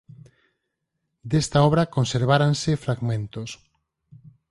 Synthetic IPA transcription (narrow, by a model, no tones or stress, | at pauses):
d̪est̪aɔβ̞ɾakonseɾβ̞aɾansɪfɾaɡmẽnt̪os